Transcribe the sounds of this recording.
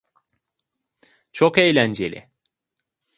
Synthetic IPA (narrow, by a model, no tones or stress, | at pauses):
t͡ʃʰokejlʲænd͡ʒelʲɪ̰